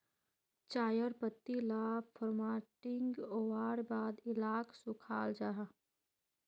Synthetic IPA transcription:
t͡ʃaːjəɾpət̪ːilaːpʰəɾmaːʈɪŋɡoːwaːɽbaːd̪ɪlaːkʰsʊkʰaːld͡ʒaːɦ

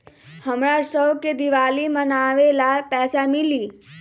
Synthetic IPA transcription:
həmɾasəwked̪iʋaːlimənaːʋelapɛːsamɪliː

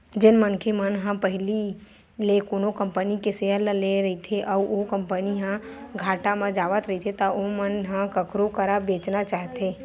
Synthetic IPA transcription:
d͡ʒɪnmənkʰemənɦãpəɦɪli | lekoːnokə̃mpənikeseələleɾəɦit̪ʰeʔɔokə̃mpəniɦã | ɡʱaːʈamãd͡ʒaːʋət̪ɾəit̪ʰet̪aomənɦãkəkɾokəɾabeːt͡ʃnat͡ʃaːɦt̪eː

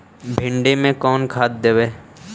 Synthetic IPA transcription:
bʱɪ̃ɳɖemẽkɔːnkʰaːt̪̚d̪eʋeː

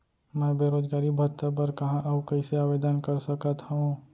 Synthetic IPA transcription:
mɛ̃ːbeːɾoːd͡ʒɡaːɾibʱɐɾt̪ːəbəɾkɐɦãʔɐbkɐɪseaːʋeːd̪ənkɐɾsɐkət̪ɦɐũ

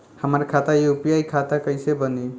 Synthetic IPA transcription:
həməɾkʰat̪aiupjajkʰat̪akəɪsebəni

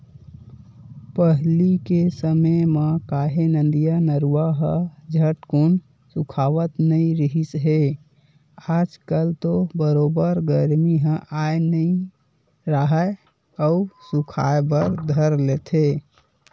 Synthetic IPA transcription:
pəɦlikesəməjmekaɦenə̃nd̪ijanəɾuaɦəd͡ʒʱəʈkon | sukʰaʋət̪nəĩɾəɦisɦe | ad͡ʒkəlt̪obəɾobəɾɡəɾmiɦə̃ʔajnəĩ | ɾəɦə | əusukʰa̰ebəɾd̪ʱəɾlet̪ʰe

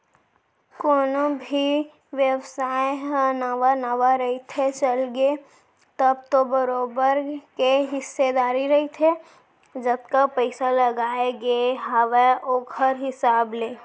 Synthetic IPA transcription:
koːnobʱi | ʋjəwsaːeɦə̃nəʋanəʋaɾəɦit̪ʰet͡ʃəlɡe | t̪əbt̪obəɾoːbəɾkeɦɪsːed̪aːɾiɾɐɦit̪ʰe | d͡ʒət̪kapəɪsaləɡaːeɡeɦaʋeʔoːkʰəɾɦɪsaːbleː

